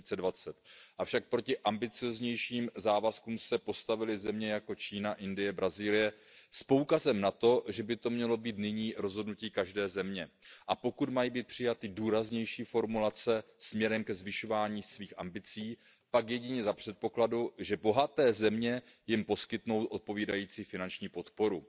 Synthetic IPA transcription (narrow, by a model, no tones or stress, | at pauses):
t͡sɛdvat͡sɛt̪ʔafʃak̚pɾo̞cɪʔambɪt͡sɪozɲɛjʃiːmzaːvaskuːmsɛpo̞st̪avɪlɪzɛmɲɛjako̞t͡ʃiːnaʔɪndɪjɛbɾaziːlɪjɛspo̞wkazɛmnat̪o̞ʒɛbɪt̪o̞mɲɛlo̞biːt̪nɪɲiːɾo̞zɦodnuciːkaʒdɛːzɛmɲɛʔapo̞kut̪majiːbiːt̪̚pr̝̥ɪjat̪ɪduːɾazɲɛjʃiːfo̞ɾmulat͡sɛsmɲɛɾɛmkɛzvɪʃo̞vaːɲiːsviːxʔa̰mbɪt͡siː | pakjɛɟɪɲɛzapr̝̥ɛt̪̚po̞kladuʒɛbo̞ɦat̪ɛːzɛmɲɛjɪmpo̞skɪt̪no̞wt̪ʔo̞t̪̚po̞viːdajiːt͡siːfɪnant͡ʃɲiːpo̞t̪po̞ɾu